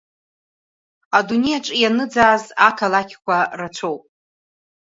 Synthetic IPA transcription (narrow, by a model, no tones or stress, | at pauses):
adune̞jaʈ͡ʂʼijanɨd͡zaːzakʰalakʲʰkʷʰarat͡ʃʷʰowpʼ